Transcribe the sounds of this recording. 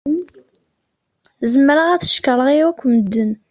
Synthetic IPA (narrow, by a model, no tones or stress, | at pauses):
zəmɾəʁæθə̥ʃkəɾˤəʁiwækʷːməd̪ːən